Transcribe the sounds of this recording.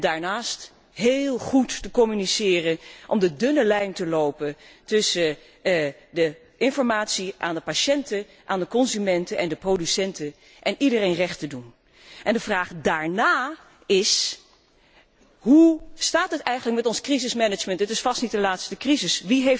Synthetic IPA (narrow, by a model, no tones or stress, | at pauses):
daːɹnaːst | ɦeːlˠχuttəkɔmynisɪːrənʔɔmdədɵnəlɛjntəlowpəntʏsə | də | ʔɪnfɔɹmaːtsiʔaːndəpaʃɛntə | ʔaːndəkɔnzymɛntənʔɛndəprowdysɛntə | ʔɛnidərejnrɛχtədun | ʔɛndəvraːχdaːɹnaː | ɪs | ɦustaːtɦətɛjχənlək̚mɛtɔnskrizɪsmɛnəd͡ʒməntətɪsfɑstnit̚dəlaːtstəkrizɪsʋiɦejf